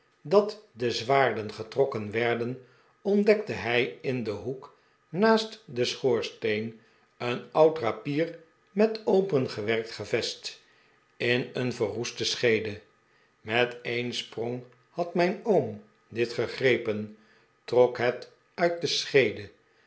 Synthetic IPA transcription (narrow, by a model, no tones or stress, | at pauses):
dɑtdəzʋaːɹdənχətrɔkənʋɛɹdən | ɔndɛk̚təɦɛjɪndəɦuk | naːstdəsχoːɹstejn | ənɑwtrapiːr | mɛtowpənχəʋɛrk̚tχəvɛst | ɪnənvəɦustəsχejdə | mɛtejnsprɔŋ | hɑtmɛjnowm | dɪtχəχrejpən | trɔkɦɛt | œɥt̚dəsχejdə